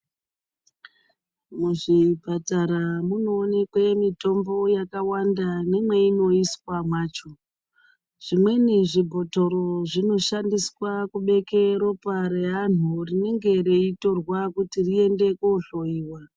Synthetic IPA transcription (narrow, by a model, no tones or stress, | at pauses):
muʐipataɾamuno̞ːne̞kwemito̞mbo̞jakawandane̞mwe̞ino̞iswamwaːt͡ʃo̞ | ʐ̥imwe̞niʐibʱo̞to̞ɾo̞ʐino̞ʃandiswakuɓe̞keɾo̞paɾean̤urine̞ŋɡe̞ɾeito̞rwakutirie̞nde̞koɬo̞iːwa